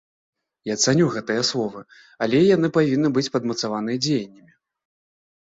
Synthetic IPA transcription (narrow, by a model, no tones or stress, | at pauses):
jat̪sanʲuɣɛt̪ɨjɐslˠɔvɨ | alʲɛjanɨpavʲinːɨbɨt͡sʲpɐd̪mɐt̪savanɨjɐd͡zʲejɐnʲːɐmʲi